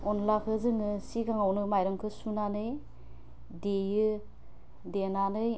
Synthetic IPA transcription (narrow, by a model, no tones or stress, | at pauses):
ɔnlakʰɯzɯŋɯsiɡaŋawnɯmajɾɯŋkʰɯsunanɯj | dejɯ | denanɯj